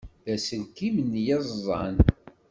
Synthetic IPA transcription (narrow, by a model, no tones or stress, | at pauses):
ðæsənkimənːjɑzˤɑ̰n